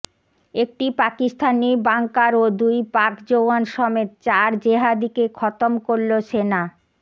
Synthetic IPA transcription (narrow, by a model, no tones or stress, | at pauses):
ek̚ʈipakist̪ʰanibaŋkaɾod̪ujpaɾkd͡ʑowanʃɔmet̪t͡ɕaɾd͡ʑeɦad̪ikekʰɔt̪omkoɾloʃena